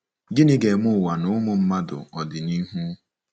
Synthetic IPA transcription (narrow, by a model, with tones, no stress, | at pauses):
ɡi˦nɪ˦ɡe˨mʊ˦˨wa˨nʊ˨˦mʊ˦˨m̩˦ma˦dʊ̰˨ɔ˨dɪ˨ni˦ɦu˦